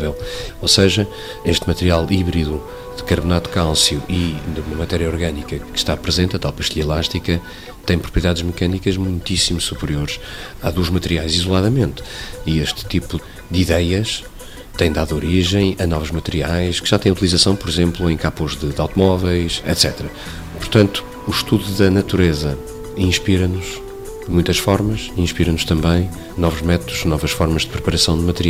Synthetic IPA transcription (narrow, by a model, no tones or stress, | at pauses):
vɛlˠosɐʒɐ | eʃt̪mɐt̪ɨɾialˠiβɾiðu | ðɨkɐɾβunat̪u̥kalˠsjuʔiðumɐmɐt̪ɛɾjɐɔɾɣɐnikɐkɨ̥ʃt̪apɾɨzẽnt̪ɐt̪alˠpɐʃt̪iʎɐlˠaʃt̪ikɐ | t̪ɐ̃j̃pɾupɾiiðaðʒmɨkɐnikɐʒmũj̃t̪isimuʃsupɾioɾʃ | aðuɐʒmɐt̪ɨɾiajzizulˠaðɐmẽnt̪ieʃt̪t̪ipu | d̪iðɛjɐʃ | t̪ɐ̃j̃d̪aðoɾiʒɐ̃j̃ɐnɔvuʒmɐt̪ɨɾiajʃkɨ̥ʒat̪ɐ̃j̃ut̪ilˠizɐsɐ̃w̃pɔɾizẽmplˠuẽj̃kapuʒðɨd̪awt̪umɔvɛjʃɛ̰t̪sɛt̪ɾɐ | puɾt̪ɐ̃nt̪u̥ːʃt̪uðuðɐnɐt̪uɾezɐ | ĩʃpiɾɐnuʒ | d̪mũj̃t̪ɐʃfɔɾmɐʃĩʃpiɾɐnuʃt̪ɐ̃mbɐ̃j̃ | nɔvuʒmɛt̪uðuʒnɔvɐʃfɔɾmɐʒd̪ɨpɾɨpɐɾɐsɐ̃w̃d̪mɐt̪ɾi